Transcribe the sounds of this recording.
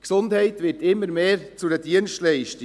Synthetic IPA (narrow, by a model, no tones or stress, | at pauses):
ksʊndhɛɪtʋɪtɪmːəɾmeːɾt͡sudədiənstlɛɪʃt